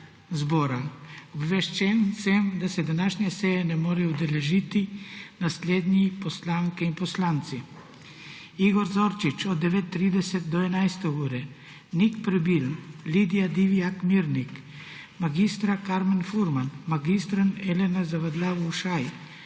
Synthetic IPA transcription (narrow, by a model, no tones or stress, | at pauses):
zboːɾaɔbʋɛʃt͡ʃɛnsɛmd̪asɛd̪anaːʃnɲɛsɛjɛnɛmoːɾɛud̪ɛlɛʒit̪inasleːd̪nʲipɔslaŋkɛinpɔslaːnt̪si | iɡɔɾzoɾt͡ʃit͡ʃɔd̪ːɛʋeːt̪ːɾiːd̪ɛsɛt̪̚d̪ɔɛnajst̪ɛuːɾɛ | nikpɾɛbilnlid̪ijad̪iʋiakmiɾnik | maɡist̪ɾakaɾmɛnfuɾmanmaɡist̪ɾanɛlɛnazaʋad̪laːʋuwʃaj